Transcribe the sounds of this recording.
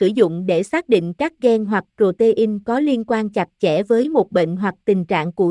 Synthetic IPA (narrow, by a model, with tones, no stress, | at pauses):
sɨ˧˩zʊ̰˧˨ŋ͡mɗe˧˩saː˦˥k̚ɗḭ̈˧˨ŋ̟kaː˦˥k̚ɣɛ˧nɦwa˨˩k̚t͡ɕo˨˩t̪e˧ʔi˧ŋkɔ˨˦li˧ənkwaː˧nt͡ɕa˨˩t̚t͡ɕɛ˧˩vəː˨˦jmo˨˩t̚ɓḛ˧˨nɦwa˨˩k̚t̪ï˨˩ŋ̟t͡ɕa̰ː˧˨ŋku˧˩ə